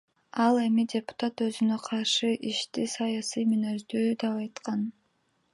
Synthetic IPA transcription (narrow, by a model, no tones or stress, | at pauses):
ɑlˠe̞midʲepʊ̥t̪at̪ø̞zynø̞qʰɑɾʃɯʔiʃt̪isɑjasijmynøzd̪yːd̪ɑɑjt̪qɑn